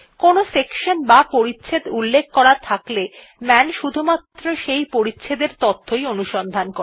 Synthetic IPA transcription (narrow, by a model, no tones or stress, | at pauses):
konosekʃonbapoɾitːɕʰed̪ulːekʰkɔɾat̪ʰakle | mɛnʃud̪ʱumat̪ːɾoʃejpoɾitːɕʰed̪eɾt̪ot̪ʰːojonuʃɔnd̪ʱanko